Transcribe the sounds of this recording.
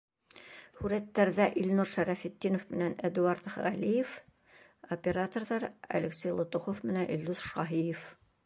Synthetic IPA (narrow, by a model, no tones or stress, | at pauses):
hʉɾæt̪ːæɾðæʔilnuɾʃæɾæfit̪ːinŏfmɘ̆nænæd̪uɑɾt̪χʁælʲijɘf | opʲeɾat̪ŏrðɑɾɐ̰leksʲejlˠot̪uχofmɘ̆nænʔild̪uzʃɑɦijɘf